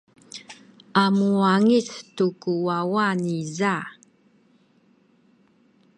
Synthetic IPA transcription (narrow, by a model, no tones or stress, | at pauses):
amuaŋistukuwawaniza